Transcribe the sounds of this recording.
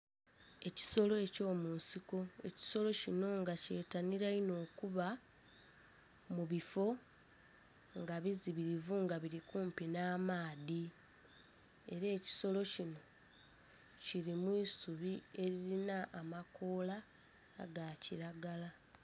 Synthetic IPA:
e̞ci̥so̞lo̞eco̞ːmuːnsiko̞e̞̰ci̥so̞lo̞cino̞ŋɡace̞ːtaniɾaino̞ːkuβa | muβifo̞ | ŋɡaβiziβiɾivuŋɡaβiɾikuːmpinaːmaːði | e̞̰ɾeːci̥so̞lo̞cino̞ | ciɾimwiːsuβie̞ɾiɾinaʔːmako̞ːla̰ː | ɡaciɾaɡala

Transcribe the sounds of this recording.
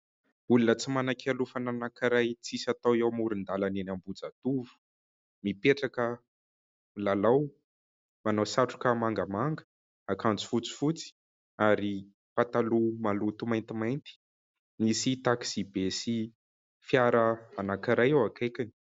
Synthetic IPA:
ulunət͡simanakʲʰalufananakiɾajt͡sisat̪awiawmuɾind̪alanenambud͡zat̪uvu̥ | mipeʈ͡ʂakə | lalaw | manawsaʈ͡ʂu̥kəmaŋɡəmaŋɡə̥ | akant͡su̥fut͡si̥fut͡si̥ | aɾi | pat̪alumalut̪umajnt̪imajnt̪i̥ | nisit̪aki̥z̥ibesi | fjaɾəanakiɾajawakejkʲini̥

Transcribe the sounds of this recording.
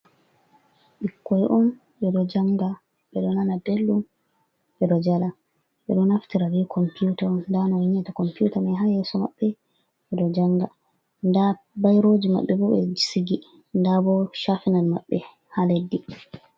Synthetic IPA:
ɓikːɔjʔɔn | ɓɛɗɔd͡ʒaŋɡa | ɓɛɗɔnanadelːum | ɓɛɗɔd͡ʒala | ɓɛɗɔnaftiɾaɾikʰɔmpiutandanɔwiɲɛtakɔmputamɛɦajɛsɔma̰ɓːɛ | ɓɛɗɔd͡ʒaŋɡa | nda | bajɾod͡ʒima̰ɓːɛbɔbɛ̰d͡ʒisiɡi | ndabɔʃafinalmaɓːɛ | haledːi

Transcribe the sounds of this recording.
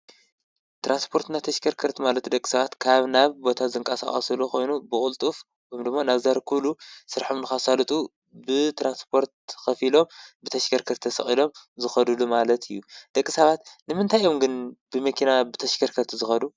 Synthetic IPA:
t̪ʰɾʔanspʰo̞ɾt̪nat̪ʰɐʃkʰɐɾkʰɐɾt̪ʰimalɐt̪d̪ɐkʼːi̥sɐβat̪kʰaβnaβbo̞t̪ʰazɨŋkʼɐsa̰χʼɐ̰sɨlukʰo̞jnubɨkʼult̪ʼuf | omd̪ɨmːanaβzaɾkʰulusɨɾħomnɨxasalɨt̪ʼu | bɨt̪ʰɾanspʰo̞ɾt̪̚xɐfilo̞mbɨt̪ʰɐʃɡɐɾkʰɐɾt̪ʰːɐsɐ̰xʼilo̞mzɨxɐd̪ulumalɐt̪ʰɨjːud̪ɐkʼːi̥sɐβat̪nɨmɨnt̪ʰajʔo̞mɡɨnb̥ɨmɐkʰinabɨt̪ʰɐʃɡʰɐɾkʰɐɾt̪ʰzɨxɐd̪u

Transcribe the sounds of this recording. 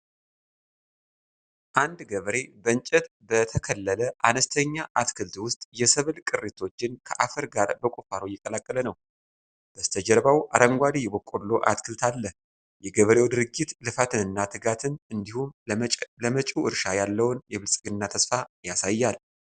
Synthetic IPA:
ʔand̪ɡəβɾe̞bəɨɲt͡ʃʼɛt̪ | bət̪ʰəkʰəlːələʔanəst̪ʰəɲːaʔat̪kʰɨlt̪wʊst̪ʼjɛsɨβɨlkʼɨrːet̪ʰo̞t͡ʃːɪnkʰə̰ʔafɨɾɡaɾbəkʷʼufaɾojɛkʼːəlakʼːələnəw | b̥əst̪ʰəd͡ʒəɾbawʔaɾəŋɡʷalijɛbokʼːolo̞ʔa̰t̪kʰɨlt̪ʰalːəh | jɛɡəβɾe̞wd̪ɨɾɨɡːɪt̪lɨfat̪ʰɨnɨnːat̪ʰɨɡat̪ʰɨnɨnd̪ihumləmət͡ʃʼuʔɨɾʃajalːəwnjɛβɨlsʼɡɨnːat̪ʰəsfajasajːal

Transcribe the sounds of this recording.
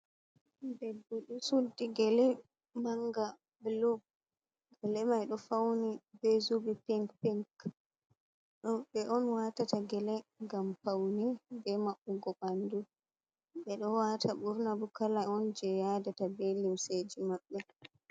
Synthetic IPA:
dɛbːoɗusuldiɡɛlɛ | maŋɡa | blub̚ | ɡɛlɛmajɗɔfawnibɛzubipiŋkpiŋk | ɗɔɓɛʔɔnwaːtataɡɛlɛŋɡamfawnibɛmaɓːuɡɔbandu | ɓɛɗɔwatʰaɓuɾnabukalaɔnd͡ʒɛjadatabelimsed͡ʒimaɓːɛ

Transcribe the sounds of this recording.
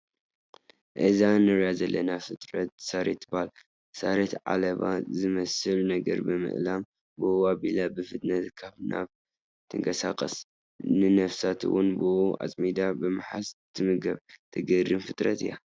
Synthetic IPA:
ʔɨzanɨɾjazɐlːɐnafɨt̪ʼɾɐt̪̚saɾet̪ːbal | saɾet̪ʕa̰lɐβa̰zɨmɐsɨlnɐɡɐ̰ɾbɨmɨ̰ʔlam | bɨʔabilabɨfɨt̪ʼnɐt̪kʰaβnʔa̰β | t̪ʰɨŋkʰɐsaqʼɐs | nɨnɐfsat̪ʰɨ̰wʊnbouʔa̰t͡sʼmid̪abɨmɨħast̪ʰɨmɨɡɐβt̪ʰɐɡɐrɨmfɨt̪ʼɾɐt̪ɨja

